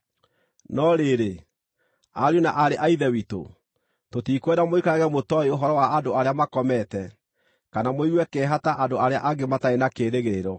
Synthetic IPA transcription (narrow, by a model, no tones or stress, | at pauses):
nɔɾeɾe | aɾjonaʔaɾeʔaiðɛwito̰ | totiːkwɛdamoikaaɣɛmotɔeoɦɔɾɔwaadoaɾeamakɔmɛtɛ | kanamoiwɛkɛːɦataʔadoaɾeaʔaɡemataenakeːɾeɣeɾeɾɔ